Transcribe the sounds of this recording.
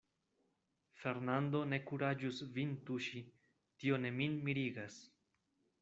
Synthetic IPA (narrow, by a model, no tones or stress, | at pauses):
fe̞ɾnand̪o̞ne̞kuɾad͡ʒusvintuʃi | tio̞ne̞minmiɾiɡas